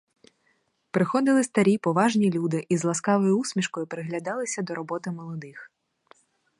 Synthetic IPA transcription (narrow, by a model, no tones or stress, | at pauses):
pɾɪxɔd̪ɪlˠɪst̪ɐɾʲipɔʋɑʒnʲilʲud̪ɪʔizlˠɐskɑʋɔjʊusʲmʲiʃkɔjʊpɾɪɦlʲɐd̪ɑlˠɪsʲɐd̪ɔɾɔbɔt̪ɪmɔlˠɔd̪ɪx